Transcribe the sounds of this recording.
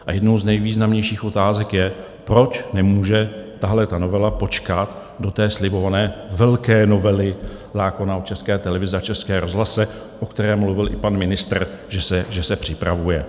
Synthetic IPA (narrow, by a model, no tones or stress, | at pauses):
ʔajɛdnowznɛjviːznamɲɛjʃiːxʔo̞t̪aːzɛkjɛ | pɾo̞t͡ʃnɛmuːʒɛt̪aɦlɛt̪ano̞vɛlapo̞t͡ʃkat̪ | do̞t̪ɛːslɪbo̞vanɛːvɛlkɛːno̞vɛlɪ | zaːko̞naot͡ʃɛskɛːt̪ɛlɛvɪzɛat͡ʃɛskɛːɾʔo̞zɦlasɛ | ʔo̞kt̪ɛɾɛːmmluvɪlʔɪpanmɪnɪst̪r | ʒɛsɛʒɛsɛpr̝̥ɪpɾavujɛ